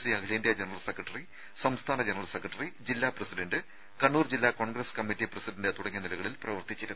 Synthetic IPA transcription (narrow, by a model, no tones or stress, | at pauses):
siɐkʰleːndijɐd͡ʑenɐrɐlsekrɐʈːɐri | sɐmst̪ʰaːnɐd͡ʑenɐrɐlsekːrɐʈːɐrid͡ʑilːaːprɐsidɐnɖɨ | kɐɳːuːrd͡ʑilːaːko̞ːɳɡɾeskɐmːitːiprɐsidɐndet̪uɽɐŋːiɐnilɐɣɐɭilprɐʋɐrt̪it͡ɕːiɾunː